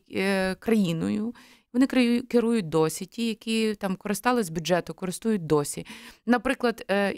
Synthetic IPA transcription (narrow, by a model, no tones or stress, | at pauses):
kɾɐjinɔ̰jʊ | ʋɔnɪkkɪɾujʊt̚ʲd̪ɔsʲitʲijɐkʲit̪ɑmkɔɾɪst̪ɑlˠɪzʲbʲudd͡ʒɛt̪ʊkɔɾɪst̪ujʊt̚ʲd̪ɔsʲinɐpɾɪklˠɐd̪